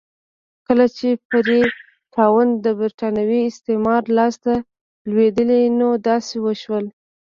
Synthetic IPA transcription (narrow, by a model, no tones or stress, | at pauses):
kəlat͡ʃepəd̪e | tʰɑwand̪əbɪɾʈɑnawiɪst̪emɑɾlɑst̪a | lwed̪əlenod̪ɑsewəʃwəl